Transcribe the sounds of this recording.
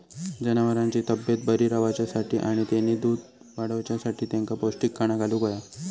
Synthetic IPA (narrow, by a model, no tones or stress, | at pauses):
d͡ʑənaʋəɾãɲt͡ɕiːt̪əbjət̪̚bəɾiːɾaʋat͡ɕjasaʈʰiːʔaɽ̃it̪janiːd̪uːd̪ʱ | ʋaɽəʋt͡ɕjasaʈʰiːt̪jãŋkaposʈikːaɽ̃aɡaluːkoja